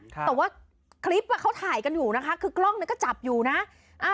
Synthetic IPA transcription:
t̪ɛ˨˩waː˥˩ | kʰli˦˥p̚ka˨˩kʰa˦˥wt̪ʰaː˨˩˦jka˧njuː˨˩na˦˥kʰa˦˥kʰɯː˧klɔ˥˩ŋni˧˥˦kɔː˥˩t͡ɕa˨˩p̚juː˨˩na˦˥ʔ | ʔa˧˩

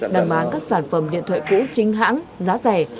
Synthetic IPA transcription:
ɗaː˨˩ŋɓaː˨˦nkaː˦˥k̚saː˧˩nfə˧˩mɗḭ˧˨t̪ʰə̰˧˨jkṵ˧˥t͡ɕï˨˧ŋ̟ɦa̰ː˧˥ŋzaː˨˦zɛ˨˩

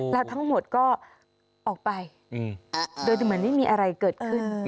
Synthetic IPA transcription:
lɛː˦˥wt̪ʰa˦˥ŋmo˨˩t̪̚kɔː˥˩ | ʔɔː˨˩k̚pa˧j | doː˧jmɯ˦ənma˥˩jmiː˧ʔa˧ɾa˧jkɤː˨˩t̪̚kʰɯ˥˩n

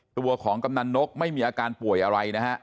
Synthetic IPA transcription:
t̪u˧ɐkʰɔː˩˦ŋka˧mna˧nːo˦˥k̚ma˥˩jmiː˧ʔaː˧kaː˧npu˨˩əjʔa˧ɾa˧jna˦˥kʰa˦˥ʔ

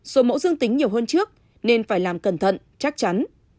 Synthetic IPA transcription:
so˨˦mo̰˧˥zɨ˧əŋt̪ï˨˦ŋ̟ɲi˨˩əwhəː˧nt͡ɕɨ˦˥ək̚ | ne˧nfaː˧˩jlaː˨˩mkə˨˧˩nt̪ʰə̰˧˨n | t͡ɕa˦˥k̚t͡ɕa˨˦n

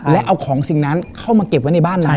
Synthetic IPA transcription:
lɛ˦˥ʔa˧wkʰɔː˩˦ŋsi˨˩ŋna˦˥nkʰa˥˩wmaː˧ke˨˩p̚wa˦˥jna˧jbaː˥˩nːa˦˧˦

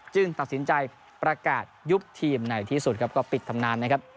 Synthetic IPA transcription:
t͡ɕɯ˧ŋt̪a˨˩t̪̚si˩˦nt͡ɕa˧j | pɾa˧kaː˨˩t̪̚ju˦˥p̚t̪ʰiː˧mna˨˩jt̪ʰiː˥˩su˨˩t̪̚kʰa˦˥pkɔː˥˩pi˨˩t̪ʰːa˧mnaː˧˥nːa˦˥kʰa˦˥p̚

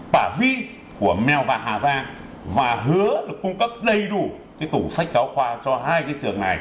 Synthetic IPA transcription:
ɓaː˧˩vi˧ | ku˧˩əmɛ˨˩wvaː˨˩ɦaː˨˩zaː˧ | vaː˨˩ɦɨ˨˦əɗɨ˨˩ək̚ːʊ˧ŋ͡mkə˦˥p̚ɗə˧jɗu˧˩ | kaː˨˦t̪u˧˩sa˦˥k̟̚kaː˨˦wxwaː˧t͡ɕɔ˧ɦaː˧jkaː˨˦jt͡ɕɨ˨˩əŋna˨˩j

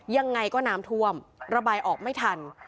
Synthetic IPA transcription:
ja˧ŋːa˧jkɔː˥˩naː˦˥mt̪ʰu˧˥˩əmɾa˧baː˧jʔɔː˨˩k̚ma˥˩jt̪ʰa˧n

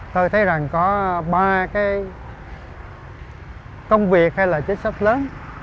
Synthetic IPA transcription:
t̪o˧jt̪ʰə˨˦jza˨˩ŋkɔ˨˦ɓaː˧kaː˨˦j | kə˧wŋ͡mvi˨˩ək̚ha˧jlaː˨˩t͡ɕï˨˦ŋ̟sa˦˥t̚ləː˨˦n

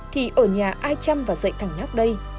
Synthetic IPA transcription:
ki˨˩ʔəː˧˩ɲaː˨˩ʔaː˧jt͡ɕa˧mvaː˨˩zə̰˧˨jt̪ʰa˨˩ŋɲa˦˥k͡p̚ɗə˧j

